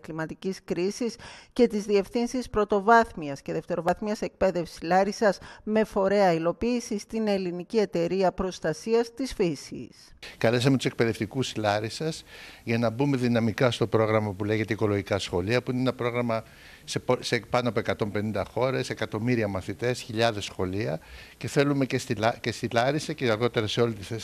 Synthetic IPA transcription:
klimɐt̪iciskɾisisce̞t̪izðie̞fθinsispɾo̞t̪o̞vɐθmiɐsce̞ðe̞ft̪e̞ɾo̞vɐθmiɐse̞k̚pe̞ðe̞fsilɐɾisɐzme̞fo̞ɾe̞ɐilo̞piːsist̪ine̞linicie̞t̪e̞ɾiɐpɾo̞st̪ɐsiɐst̪isfisḭs | kɐle̞s̬ɐmet̪use̞k̚pe̞ðe̞ft̪ikuslɐɾisɐsʝɐnɐbume̞ðinɐmikɐst̪o̞pɾo̞ɣɾɐmɐpule̞ʝe̞t̪eiko̞lo̞ʝikɐsxo̞liɐpuineenɐpɾo̞ɣɾɐmɐ | seposepɐnoɐpoekɐt̪o̞mpe̞nind̪ɐxo̞ɾe̞se̞kɐt̪o̞miɾiɐmɐθit̪e̞sçiʎɐðe̞sxo̞liɐce̞θe̞lume̞cesicest̪ilɐɾisɐceɐɾɣo̞t̪e̞ɾɐse̞o̞lit̪iθes

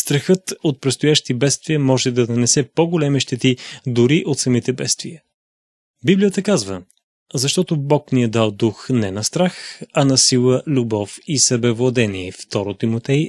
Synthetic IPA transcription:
st̪ɾɐxɤt̪ot̪̚pɾɛt̪st̪ʊjaʃt̪ibɛt̪st̪viəmɔʒɛd̪ɐnɐnɛsɛpoɡolɛmiʃt̪ɛt̪id̪ʊɾiʔot̪sɐmit̪ɛbɛt̪st̪viə | biblijət̪əkazvə | zɐʃt̪ɔt̪obɔkniəd̪alˠd̪uxnɛnɐst̪ɾaxɐnɐsilˠəlʲubɔfisɐbɛvlˠɐd̪ɛniɛft̪ɔɾot̪imot̪ɛj

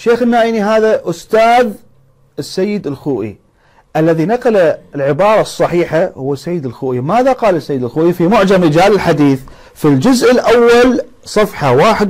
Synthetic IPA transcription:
ʃːeːxɪnːaːʔiːniɦaːðaʔʊst̪aːð | ɪsːajːɪd̪ɪlxuːʔḭ | ʔalːaðinaqɑlaɪlʕɪbɑːɾˤɑsˤːɑħiːħahʊwːasːajːɪd̪ɪlxuːʔimaːðaqɑːlɪsːajːd̪ɪlxuːʔifimʊʕd͡ʒamɾɪd͡ʒaːlɪlħad̪iːθ | fild͡ʒʊzʔɪlʔawːal | sˤɑfħɑwaːħɪd̪

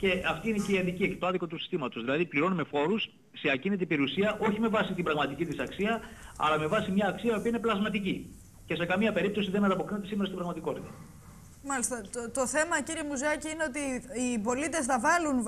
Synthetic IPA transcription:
ce̞ɐft̪iineceiɐnðiciecet̪oɐðiko̞t̪usi̥st̪imɐt̪ozðilɐðipliɾo̞nume̞fo̞ɾusː | eɐcinit̪ipeɾiusiɐʔo̞çime̞vɐsit̪ibɾɐɣmɐt̪icit̪isɐksiɐɐ̰lɐme̞vɐsimɲɐːksiɐio̞piɐine̞plɐzmɐt̪ici | ce̞se̞kɐmiɐpe̞ɾip̚t̪osiðenɐnɐpo̞kɾinet̪esimeɾɐst̪imbɾɐɣmɐt̪iko̞t̪it̪ɐ | mɐlist̪ɐt̪o̞θe̞mɐciɾiemuzɐciineo̞t̪̬iipo̞lit̪e̞s̬θɐvɐlun

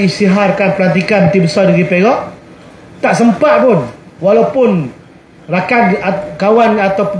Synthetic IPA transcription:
ist̪iɦarkanpəlant̪̬ikanmət̪ibəsɔdiɾipeɾɔʔ | t̪aʔsəmpat̪̚pʊn | walawpʊn | rakanakawanat̪awp

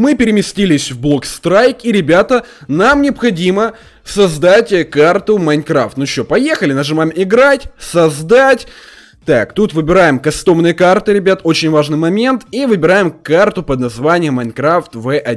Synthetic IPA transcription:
mɨpʲɪɾʲɪmʲɪsʲtʲilʲɪsʲvblˠo̞kst̪ɾajkiɾʲɪbʲat̪ənamnʲɪɐpxɐdʲimə | sɐzd̪atʲkart̪ʊmɐjnkɾaft̪nʊɕopɐjexəlʲɪnɐʐɨmamʲɪɡɾatʲsɐzd̪atʲ | t̪akt̪ut̪vɨbʲɪɾajɪmkɐst̪o̞mnɨjəkart̪ɨɾʲɪbʲat̪ot͡ɕɪnʲvaʐnɨjmɐmʲe̞nt̪ivɨbʲɪɾajɪmkart̪ʊpəd̪nɐzvanʲɪjəmːɐjnkɾaft̪vɛʔɐ

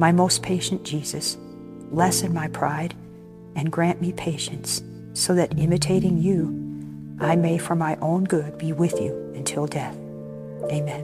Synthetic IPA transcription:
maɪmoʊspʰeɪʃɨ̃nd̥ʒ̥iz̥ɨs | lɛsɨ̃nmaɪpʰɹ̥aɪɾ | ɨ̃nɡɹæ̃nmipʰeɪʃɨ̃ntsː | oʊðɨɾɪ̃mɨtʰeɪɾɪ̃ŋju | ʔaɪmeɪfə˞maɪʔõʊ̃nɡʊd̚biwɪðjʉ̰ɨ̃ntʰɪlˠdɛθ | eɪmɛ̃n

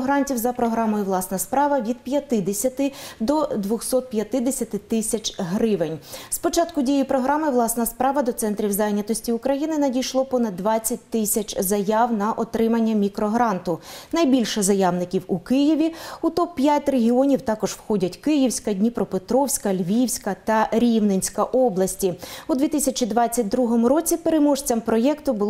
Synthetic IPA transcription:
ɦɾɑnʲtʲiwzɐpɾɔɦɾɑmɔjʊʋlˠɑsnɐspɾɑʋɐʋʲid̪pʲjɐt̪ɪd̪esʲɐt̪ɪd̪ɔd̪ʋɔxsɔt̪̚pjɐt̪ɪd̪esʲɐt̪ɪt̪ɪsʲɐt͡ʃɦɾɪʋenʲspɔt͡ʃɑt̪kʊdʲijijpɾɔɦɾɑmɪʋlˠɑsnɐspɾɑʋɐd̪ɔt̪sɛnt̪ɾʲiwzɑjnʲɐt̪ɔsʲtʲiʊkɾɐjinɪnɐdʲijʃlˠɔpɔnɐd̪ːʋɑt͡sʲːɐt̚ʲt̪ɪsʲɐt͡ʃʲzɐjɑwnɐʔɔt̪ɾɪmɐnʲːɐmʲikɾɔɦɾɑnt̪ʊnɐjbʲilʲʃɛzɐjawnɪkʲiwukɪjiʋʲiut̪ɔppːjatʲreɦʲiɔnʲiwt̪ɑkɔʒwxɔdʲɐtʲkɪjiwsʲkɐdʲnʲipɾɔpet̪ɾɔwsʲkɐlʲʋʲiwsʲkɐt̪ɐɾʲiwnenʲsʲkɐʔɔblˠɐsʲtʲiud̪ʋʲit̪ɪsʲɐt͡ʃid̪ʋɑt͡sʲːɐt̚ʲd̪ɾuɦɔmʊɾɔt͡sʲipeɾemɔʃt͡sʲɐmpɾɔjɛkt̪ʊbʊlˠ

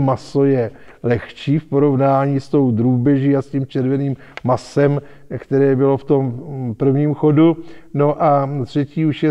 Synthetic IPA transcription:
maso̞jɛ | lɛxt͡ʃiːfpo̞ɾo̞vnaːɲiːst̪o̞wd̪ɾuːbɛʒiːascimt͡ʃɛɾvɛniːmː | asɛm | kt̪ɛɾɛːbɪloft̪o̞mpr̩vɲiːmxoduno̞ʔat̪r̝̥ɛciːuʃjɛ

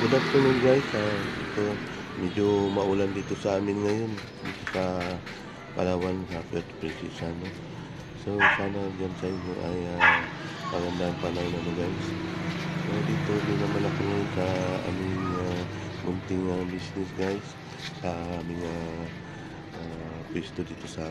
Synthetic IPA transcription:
bʊd̪ak̚t̪ononɡajsaɪ̰t̪omɛd͡ʒomɐʔuland̪iːt̪osaaːmɪnŋɐjon | d̪ḭːt̪osa | pɐ̰lawansafɛt̪pɾɛsḭsano | sosaːnad͡ʒansaɪɲoʔajapɐɡɐnd̪anpanawnanʊɡas | sod̪iːt̪o̞d̪inɐmanɐkoŋajonsɐʔa̰ːmɪŋamʊnt̪ɪŋabisnɪsɡajsː | ɐamɪŋa | ʔa | pwɛst̪od̪iːt̪o̞sa

